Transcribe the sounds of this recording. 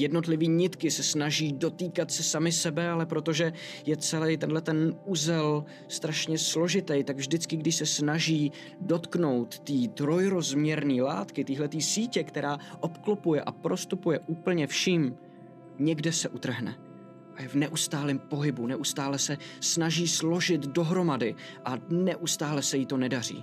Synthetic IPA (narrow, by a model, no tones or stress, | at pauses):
jɛdno̞t̪lɪviːɲɪt̪kɪsɛsnaʒiːdo̞t̪iːkat̪sɛsamɪsɛbɛalɛpɾo̞t̪o̞ʒɛ | jɛt͡sɛlɛjt̪ɛndlɛt̪ɛnuzɛl | st̪ɾaʃɲɛslo̞ʒɪt̪ɛjt̪aɡvʒdɪt͡skɪɡdɪʃsɛsnaʒiː | do̞t̪kno̞wt̪ːiːt̪ɾo̞jɾo̞zmɲɛɾniːla̰ːt̪kɪt̪iːɦlɛt̪iːsiːcɛkt̪ɛɾaːʔo̞pklopujɛʔapɾo̞st̪upujɛʔuːpl̩ɲɛfʃim | ɲɛɡdɛsɛʔut̪r̩ɦnɛ̰ | ʔajɛvnɛʔust̪aːlimpo̞ɦɪbunɛʔust̪aːlɛsɛsnaʒiːslo̞ʒɪt̪do̞ɦɾo̞madɪ | ʔanɛʔust̪aːlɛsɛjit̪o̞nɛdar̝ḭː